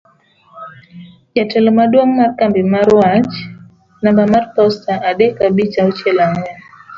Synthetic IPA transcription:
jatɛlɔmaɗuammaɾkambimaɾuat͡ʃ | nambamaɾpɔstaʔaɗɛkaɓit͡ʃaut͡ʃɛlaŋa

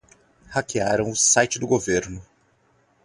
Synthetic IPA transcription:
hakiaɾɐ̃w̃ʊsajt͡ʃɪd̪ʊɡoveɾnʊ

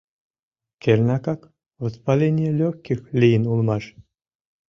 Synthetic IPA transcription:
kʲelʲnakak | vɨspalʲenʲijelʲɔxʲkʲixlʲijnulˠmɑʂ

